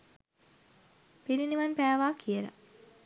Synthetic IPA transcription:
piɾiniʋanpæːʋaːkʰijələ̰

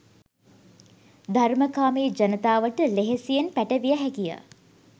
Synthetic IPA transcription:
d̪ʱarməkaːmeːd͡ʒɐnət̪aːʋəʈəleɦesijenpæʈəʋijəɦækijə̰

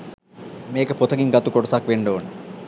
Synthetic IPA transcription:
meːkəpot̪ʰəɡiŋɡat̪ukoʈɐsakʋeɳɖoːn

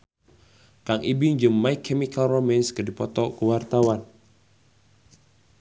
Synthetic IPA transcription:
kaŋʔibiɲd͡ʒəmːaikʰːɛmikalromɛnskədipɔt̪ɔkəwart̪awan

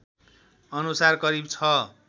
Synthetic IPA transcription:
ʌnusarkʌɾibt͡sʰʌ

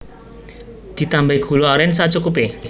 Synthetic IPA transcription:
d̪̥i̤t̪ambɛiɡ̥ṳloaɾɛnsat͡ʃukupe

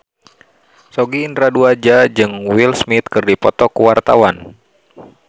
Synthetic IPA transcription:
sɔɡiːnɾaduad͡ʒad͡ʒɨŋwilsmit̪̚kɨrdipɔt̪ɔkuwart̪a̰wan

